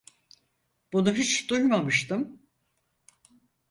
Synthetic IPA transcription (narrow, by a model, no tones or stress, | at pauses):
b̥unuɦyt͡ʃd̪ujmamɯʃt̪ɯm